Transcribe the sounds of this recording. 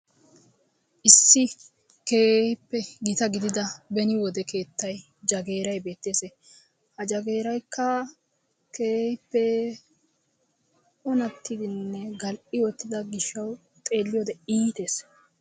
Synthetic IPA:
ʔɪsːɪ | keːhpːɛɡɪt̪ɐɡɪd̪ɪd̪ɐbɛnɪwɔd̪ɛke̞ːt̪ːɐj | d͡ʒɐɡe̞ːɾɐjbe̞ːt̪ːeːse | hɐd͡ʒɐɡe̞ːɾɐjkːɐ | keːhɪpːɛ | ʔʊnɐt̪ʰːɪd̪ɪnːɛɡɐlʔɪwɔt̪ːɪd̪ɐɡɪʃːɐw | t̪ʼe̞ːlːɪjoːd̪ɛiːt̪e̞ːs

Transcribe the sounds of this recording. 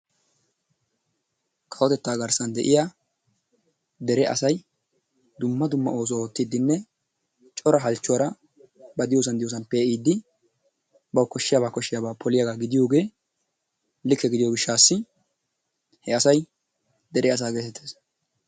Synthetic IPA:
kʼɐwɔt̪ɛt̪ːaːɡɐɾsɐnd̪ɛʔɪja | d̪ɛɾɛʔɐ̰sɐj | d̪ʊmːɐd̪ʊmːɐ̰o̞ːs̬ɔoːt̪ːɪd̪ːɪnːɛ | t͡ʃʼɔɾɐɦɐlt͡ʃːɔwɐɾɐ | bɐd̪ɪjoːs̬ɐnd̪ɪjoːs̬ɐnpeːiːd̪ːɪ | bɐwkɔʃːɪjabaːkɔʃːɪjabaːpʰɔlɪjɐɡaːɡɪd̪ɪjo̞ːɡe̞ː | lɪkːɛɡɪd̪ɪjoːɡɪʃːaːsːɪ | hɛɐsɐj | d̪ɛɾɛɐs̬aːɡe̞ːt̪ɛt̪ʰːeːs

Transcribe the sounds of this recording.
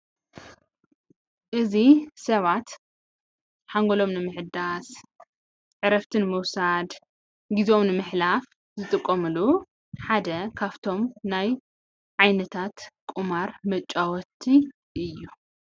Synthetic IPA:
ʔɨzisɐβat̪ | ħaŋɡolo̞mnɨmɨħɨd̪as | ʕɨɾɐft̪ʰɨnmɨwsad̪ | ɡizo̞mnɨmɨħlaf | zɨt̪ʼɨkʼːɐmɨlu | ħad̪ɐkʰaβt̪ʰo̞mnaj | ʕajnɐt̪ʰat̪kʼumaɾmɐt͡ʃʼːawɔt̪ʰːi | ʔɨjːu

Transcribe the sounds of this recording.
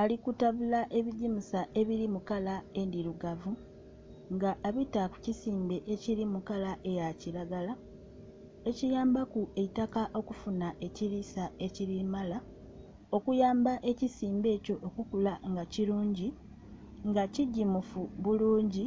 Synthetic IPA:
alikutaβulaʔe̞βiɟimusaʔe̞βiɾimukalae̞ndiɾuɡavu | ŋɡaʔːβitaku̥cisiːmbe̞ʔeciɾimukalaʔe̞jaciɾaɡala | e̞cijaːmbakue̞itakaʔo̞kufunaʔe̞ciɾisae̞ciɾimala | o̞kujaːmbaʔe̞cisiːmbe̞ːco̞ʔːkukulaŋɡaciluːɲɟi | ŋɡaciɟːimufuβuluːɲɟi

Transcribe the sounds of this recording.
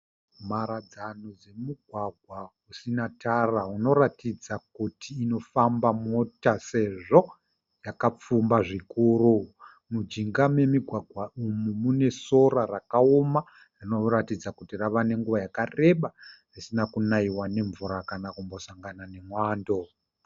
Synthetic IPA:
maɾad͡zanod͡ze̞muɡʱwaɡʱwa | usinatarauno̞ɾatid͡zakutʰiːno̞fambamo̞tase̞ʐo̞ | jakap͡fumbaʐikuːru | mud͡ʒiŋɡamwe̞miɡʱwaɡʱwaumumune̞so̞rarakaoma | rino̞ratid͡zakutiraʋane̞ŋɡuʋajakare̞ɓarisinakunaiwane̞ɱvuɾakanakumbo̞saŋɡanane̞mwaːndo̞

